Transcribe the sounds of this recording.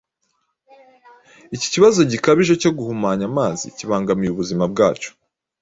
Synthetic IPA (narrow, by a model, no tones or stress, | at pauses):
ici̥ciβazo̞ɟikaβiʒeco̞ɡuhumaːɲamaːzḭciβaːŋɡamijuβuzimab̚ɡaːt͡ʃo̥